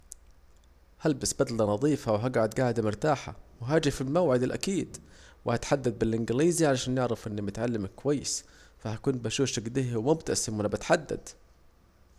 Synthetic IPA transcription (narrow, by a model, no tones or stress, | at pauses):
halbɪsbad̪lanɑðˤiːfawɦaɡaʕad̪ɡaːʕɪd̪amʊɾt̪aːħa̰wɪɦaːd͡ʒɪfɪlmawʕɪd̪ɪlʔa̰kiːd̪ | wɪhat̪ħad̪ːad̪̚bɪlʔɪnɡɪliːziʕalaʃaːnjɪʕɾɑfʔɪnːimɪt̪ʕalːɪmɪkːʊwajːɪsfahakuːnbaʃuːʃaɡd̪ɪhwmʊbt̪asɪmwɪnabɪt̪ħad̪ːa̰d̪